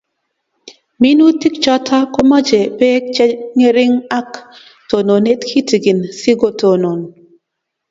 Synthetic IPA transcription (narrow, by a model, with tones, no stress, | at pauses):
mi˦nu˦ti˦kt͡ʃa˦tʰa˦kɔ˦ma˦d͡ʒɛ˨pɛ˦k̚t͡ʃɛ˦ŋe˦ɾɪ˦ŋa˦k | to˨no˨ne˦tkʰi˦ti˨ɡi˨nsi˦ɡo˨to˨no˨n